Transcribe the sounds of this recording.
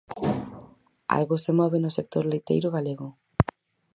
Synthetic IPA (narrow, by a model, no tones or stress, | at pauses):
a̰lɣosemɔβ̞enʊsek̚t̪oɾlejt̪ḛjɾʊɣaleɣʊ